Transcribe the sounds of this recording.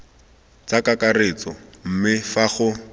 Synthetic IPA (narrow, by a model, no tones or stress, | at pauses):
t͡sakakaret͡sɔm̩mɪfaχʊ